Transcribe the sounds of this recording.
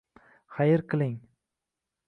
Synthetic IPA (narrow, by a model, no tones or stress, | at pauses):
χajɪɾqʰɨlˠɪŋ